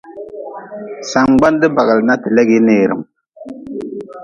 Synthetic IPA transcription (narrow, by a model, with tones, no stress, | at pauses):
sa˨ŋɡ͡ba˦ndɨ˦ba˨ɣɪ˨lna˦tɪ˨lɛ˦ɡɪ˦neː˨ɾɨ̰˨m